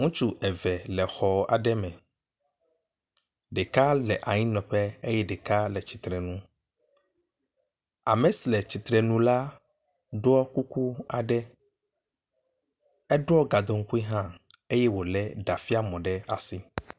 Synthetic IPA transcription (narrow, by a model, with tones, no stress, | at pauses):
ŋũ˦t͡ʃu˦ʔɛ˨vɛ˨lɛ˨xɔ˨˦a˨ɖɛ˦mɛ̃˨ | ɖɛ˨ka˦lɛ˨ʔa˨ɲĩ˦nɔ̃˨ɸɛ˦e˦jɛ˦ɖɛ˨ka˦lɛ˨t͡ɕi˨t̪ɾɛ˨nũ˦ | a˨mɛ̃˨si˨lɛ˨t͡ɕi˨t̪ɾɛ˨nũ˨la˦ | ɖo˦ɔ˦ku˦ku˦a̰˨ɖɛ˦ | ɛ˦ɖɔ˦ɡa˨d̪o˦ŋ̩˦ku˦i˦ɦã˦e˦jɛ˦wo˨lɛ˦ɖa˨fi˦a˦mɔ̃˨ɖɛ˦a̰˨si˦